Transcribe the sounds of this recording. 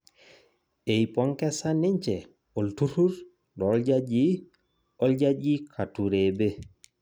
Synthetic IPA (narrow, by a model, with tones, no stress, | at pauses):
e˨i˨pɔ˦ŋkɛ˦sa˦ni˦ɲt͡ʃɛ˨ | o˨ltu˦ɾu˦ɾ | dɔ˨˦ld͡ʒa˦d͡ʒi˦ | ɔ˦lɟa˦d͡ʒi˦kʰa˨tu˨ɾe˨be˦